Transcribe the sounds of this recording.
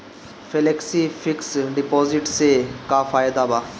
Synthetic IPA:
feleksiːfʰɪksɖɪpoːzɪʈseːkaːfaːjd̪aːbaː

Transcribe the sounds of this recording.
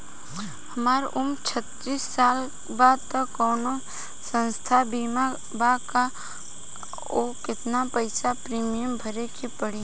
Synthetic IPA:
hɐmaːɾʔʊmt͡ʃʰət̪ɾiːsːaːl | baːd̪̚t̪əːɔːno | sə̃nst̪ʰabiːma | baka | okɪt̪napəɪsapɾiːmijəmbʱəɾekepəɽi

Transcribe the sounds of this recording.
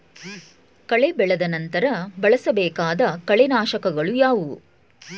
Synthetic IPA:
kɐɭebɛɭɐd̪ɐnɐnt̪ɐɾɐbɐɭɐsɐbɛːkaːd̪ɐkɐɭenaːʃɐkɐɡɐɭujaːʋu

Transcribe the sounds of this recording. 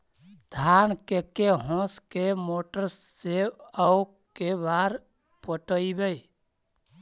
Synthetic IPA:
d̪ʱankekeɦɔ̃skemoʈəɾsːeəu | kebaɾ | pəʈəibej

